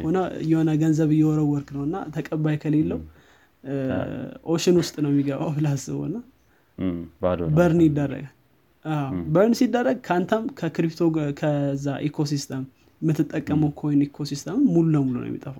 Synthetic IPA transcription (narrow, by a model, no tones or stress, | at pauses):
honəjɛhonəɡənzəβɨjɛwɔɾəwːɔɾknəwɨnːa̰t̪ʰəkʼəbːajkʰəlelːəw | ʔoʃɪnwʊst̪ʼnəwmːiɡəβa̰wbɨlasɨ̰βo̰ɨnːa | bəɾnjɪd̪ːərːə̰ɡ | ʔawbəɾnsid̪ːərːəɡ̚kʰant̪ʰamkʰəkɾipt̪ʰokʰəzːaʔekʰo̞sist̪ʰəmː | ɨt̪ːɨt̪ʼːəkʼːəməwkʰojɪnekʰo̞sist̪ʰəmɨːululəmulunə̰j̰ɛ̰mḭt̪ʼəfaw